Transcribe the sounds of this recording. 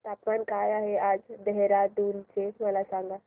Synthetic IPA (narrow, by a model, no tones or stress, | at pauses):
t̪apmankajaɦead͡ʒd̪əɦeɾad̪ult͡ʃeməlasãŋɡa